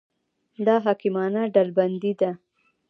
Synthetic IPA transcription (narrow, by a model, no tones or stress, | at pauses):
d̪ɑɦɑkimɑnaɖalband̪id̪a